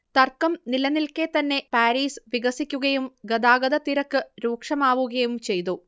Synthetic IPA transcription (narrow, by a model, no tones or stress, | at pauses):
t̪ɐrkːɐmnilɐnilke̞t̪ɐnːe̞paːɾiːsɨʋiɡɐsikʲːuɣɐjumɡɐd̪aːɡɐd̪ɐt̪iɾɐkːɨɾuːkʂɐmaːʋuɣɐjumt͡ɕe̞jt̪̬u